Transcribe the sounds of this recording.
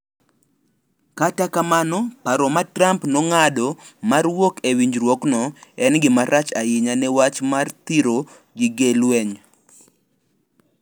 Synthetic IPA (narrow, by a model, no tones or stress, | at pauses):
katakamanɔpaɾɔmatrampnɔŋadɔmarwokewiɲd͡ʒɾwoknɔɛnɡɪmaɾʔat͡ʃajɪɲanɛwat͡ʃmart̪iɾo | ɡɪɡelwɛɲ